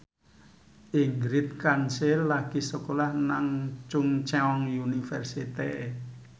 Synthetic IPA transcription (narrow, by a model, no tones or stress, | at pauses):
ʔiŋɡɾɪt̪̚kansɪlːaɡ̥isəkolahnaŋt͡ʃuŋt͡ʃɛɔŋjunifɛrsit̪ee